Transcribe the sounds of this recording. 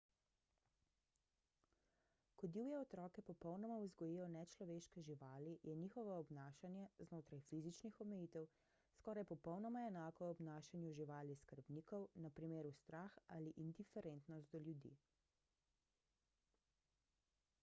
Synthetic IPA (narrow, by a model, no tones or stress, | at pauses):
kɔd̪iwjɛɔt̪ɾɔːkɛpɔpɔwnɔmauzɡɔjijɔnɛt͡ʃlɔʋeːʃkɛʒiʋaːlijɛniːxɔʋɔɔbnaːʃanjɛznoːt̪ɾajfizit͡ʃnixɔmɛjiːt̪ɛw | skɔːɾajpɔpɔwnɔmaɛnaːkɔɔbnaːʃanjuʒiʋaːliskəɾbniːkɔwnɐpɾimeːɾust̪ɾaxaliʔind̪ifɛɾent̪nɔst̪d̪ɔljud̪ḭ